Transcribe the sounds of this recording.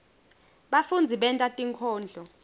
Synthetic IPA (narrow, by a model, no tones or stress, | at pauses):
ɓafund͡zʱiɓɛntʼatʼiŋkʰɔːnd͡ɮʱɔ